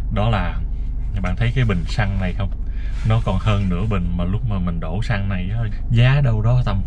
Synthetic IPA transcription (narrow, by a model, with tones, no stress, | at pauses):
ɗɔ˨˦laː˨˩ | ɓa̰ː˧˨nt̪ʰə˨˦jkaː˨˦jɓï˨˩ŋ̟sa˧ŋna˨˩jxə˧wŋ͡m | nɔ˨˦kɔ˨˩nhəː˧nnɨ̰˧˥əɓï˨˩ŋ̟maː˨˩lʊ˦˥k͡p̚maː˨˩mï˨˩ŋ̟ɗo˧˩sa˧ŋna˨˩jʔaː˨˦ | zaː˨˦ɗə˧wɗɔ˨˦t̪a˧˩m